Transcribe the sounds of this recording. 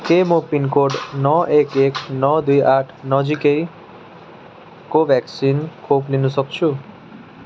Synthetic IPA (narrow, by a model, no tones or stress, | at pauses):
kemopinkoɖnɔʔekeknɔd̪ujʔaʈʰnʌd͡ʒikej | koʋʱɛksinkʰoplinusɔkt͡ʃʰu